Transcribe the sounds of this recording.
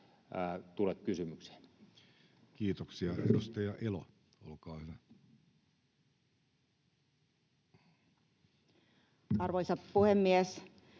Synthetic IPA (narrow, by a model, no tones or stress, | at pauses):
t̪ulet̪kysymykse̥n | kiːt̪oksiɑedust̪ɑjɑʔelo̰ | o̰lkɑːhyʋæ | ɑrʋoisɑt̪puhemːies